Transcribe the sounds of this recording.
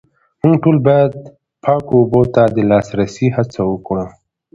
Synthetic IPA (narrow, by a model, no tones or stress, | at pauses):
muŋɡʈolbɑjad̪̚ | pʰɑkoubot̪ad̪əlɑsɾasihat͡sawəkuɽa